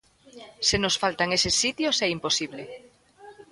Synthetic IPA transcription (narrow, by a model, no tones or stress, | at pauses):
senosfalt̪aŋesesːit̪josɛimposiβle